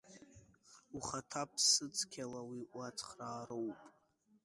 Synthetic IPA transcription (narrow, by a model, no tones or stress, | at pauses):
uχatʰapʰsɨt͡sʰʼkʲʰalawiʔat͡sʰʼχraːɾowpʼ